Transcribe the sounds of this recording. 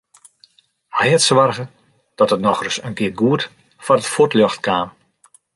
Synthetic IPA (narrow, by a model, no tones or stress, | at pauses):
hɛjɛtsʋarɣə | d̥ɔtətnɔxrəsənkɪərɡuət | fɔrətfotljɔxtkʰaːm